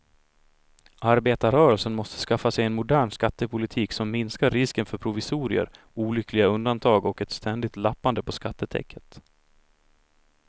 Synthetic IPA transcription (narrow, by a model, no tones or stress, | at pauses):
ʔaɾbeːt̪aɾœːɾəlsənmɔst̪ə̥skafːasɛjɛnmʊd̪æːɳskat̪ːəpʰʊlɪt̪ʰiːksɔmːɪnskaɾːɪskənfœɾpʰɾʊvɪsuːɾɪ̰ə̰ɾ | uːlʏkʰlɪɡaɵnd̪ant̪ʰɑːɡɔkɛt̪st̪ɛnd̪ɪt̪lapːand̪əpʰɔskat̪ːət̪ʰɛ̰kːət̪